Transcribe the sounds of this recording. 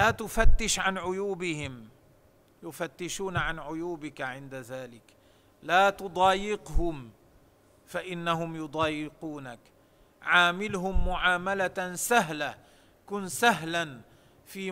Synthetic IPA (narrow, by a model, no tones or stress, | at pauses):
laːt̪ʊfat̪ːɪʃʕanʕʊjuːbɪhɪm | jʊfat̪ːɪʃuːnʕanʕʊjuːbɪkaʕɪnd̪aðaːlɪk | laːt̪ʊd̪ˤɑːjɪqhʊm | faʔɪnːahʊmjʊd̪ˤɑːjɪquːnak | ʕaːmɪlɦʊmːʊʕaːmalasaɦla | kʊnsaɦlan | fiː